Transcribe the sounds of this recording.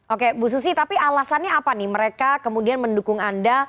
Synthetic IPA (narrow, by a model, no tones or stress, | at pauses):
ʔokebus̬us̬it̪apialasanɲaːpaniməɾekakəmudianməndukʊŋanda